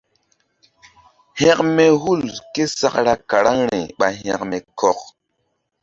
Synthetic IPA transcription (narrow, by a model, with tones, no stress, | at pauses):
hɛ˦k̚me˦hu˦˨lke˦sa˨kɾa˦ka˨ɾa˦ŋɾe˨ɓa˨ɦɛ̃˨kme˨kʰɔ˨k̚